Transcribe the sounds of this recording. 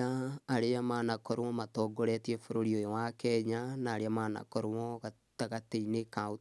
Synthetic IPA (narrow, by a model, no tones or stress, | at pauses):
aaɾeamanakɔɾowɔmatɔɡoɾɛtiɛfoɾoɾiojɔwakɛɲanaːɾeamaːna̰kɔɾowɔɣa | taɣateinekao